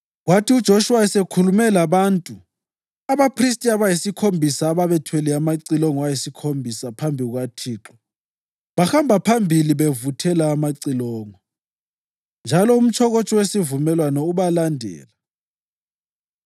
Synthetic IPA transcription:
ɣwatʰiud̥ʒ̥ʱoʃuwaɛsekʰulumɛlaβantʼu | aβapʰris̬tʼiaβajisikʰombʱisaːβaβɛtʰwɛlɛamaǀilɔŋɔwajisikʰombʱisapʰambʱiɣwatʰiːǁɔ | βaxambʱapʰambʱiliβevutʰɛlaːmaǀilɔːŋɔ | nd͡ʒʱalɔum̩t͡ʃʰɔɣot͡ʃʼɔwesivumɛlwanɔuβalandʱɛ̰ːla

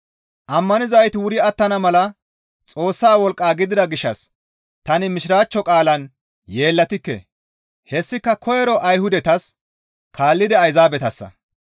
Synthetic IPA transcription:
ʔɐmːɐnɪzɐjt̪ɪwʊɾɪɐt̪ːɐnɐmɐlɐ | t͡sʼo̞ːsːaːwɔlkʼːaːɡɪd̪ɪd̪ɐɡɪʃːɐs | t̪ɐnɪmɪʃɪɾaːt͡ʃːɔkʼaːlɐn | je̞ːlːɐt̪ɪkːɛ̰ | hɛsːɪkːɐkʰɔjɛɾɔʔɐjhʊd̪ɛt̪ɐs | kʰaːlːɪd̪ɛɐjzaːbɛt̪ɐsːɐ̰

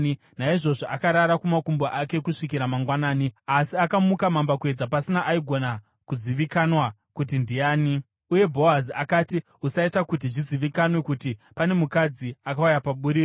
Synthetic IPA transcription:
i | naiʐo̞ʐoʔakaɾaɾakumakumboʔake̞kuʂikiɾamaŋɡwanaːniasiakamukamambakue̞d͡zapasinaʔaiɡʱo̞na | kuziʋikanwa | kutindijaːni | uje̞bʱo̞aziakati | usaitakut̬iʐiziʋikanwe̞kutipane̞mukad͡ziakawujapaɓuɾiːo

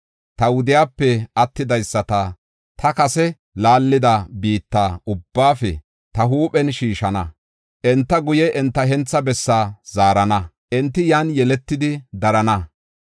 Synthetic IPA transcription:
t̪ɐwʊd̪ɪjaːpːɛʔɐt̪ːɪd̪ɐjsːɐt̪ɐ | t̪ʰɐkɐsɛ | laːlːɪd̪ɐbiːt̪ːa̰ːʊbːaːfɛ̰ | t̪ɐɦuːpʼɛnʃiːʃɐnɐ | ʔɛnt̪ːɐɡʊjɛʔɛnt̪ːɐɦɛnt͡sːɐbɛsːaːz̥aːɾɐnɐ | ʔɛnt̪ːɪjaːnjɛlɛt̪ːɪd̪ɪd̪ɐɾɐnɐ

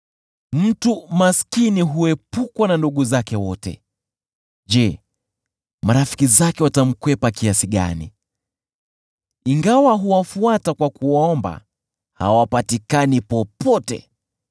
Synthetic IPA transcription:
m̩tumaskiniɦuɛpukwananduɠuzakɛwɔtɛ̰ | ʄɛ | maɾafi̥kizakɛwatam̩kwɛpakiasiɠa̰nḭ | iŋɡawaɦuwafuatakwakuwaɔmba̰ | ha̰wapatikanipɔpʰɔtɛ̰

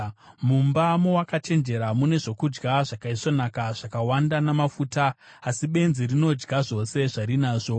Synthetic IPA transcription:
mumbamowakat͡ʃe̞nd͡ʒe̞ɾamune̞ʐo̞kud͡ʒɡaʐakaiso̞nakaʐ̥akawandanamafutaː | siɓe̞nzirino̞d͡ʒɡaʐo̞se̞ʐaɾinaːʐo̞

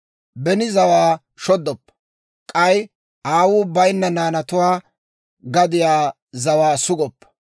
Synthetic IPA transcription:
bɛnɪzɐwaː | ʃɔd̪ːɔpːɐ̥ | kʼɐj | ʔaːwuːbɐjnːɐnaːnɐt̪ʊwaː | ɡɐd̪ɪjaː | zɐwaːsʊɡɔpːɐ̥

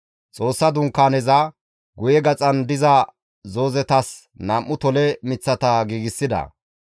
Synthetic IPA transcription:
t͡sʼo̞ːsːɐd̪ʊŋkːaːnɛzɐ | ɡʊjɛɡɐt͡sʼɐnd̪ɪzɐ | zo̞ːzɛt̪ɐs | nɐmʔːʊt̪ɔlɛmɪt͡sːɐt̪ɐɡiːɡɪsːɪd̪ɐ̰

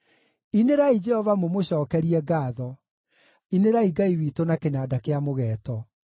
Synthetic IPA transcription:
ineɾaid͡ʒɛhɔvamomoɕɔːkɛɾiɛɡaːðɔ | ineɾaiɡaiwiːtonakenadakeamoɣɛːtɔ

